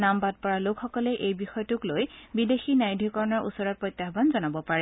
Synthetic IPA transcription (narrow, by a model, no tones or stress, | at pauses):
nambad̚pɔɹalokxɔkɔlɛʔejbixɔjɔtʊklojbidexinajdʱikɔɹɔnɔɹʔṵsɔɹɔt̚pɹɔjt̪ːaɦbanzɔnabɔpaɹɛ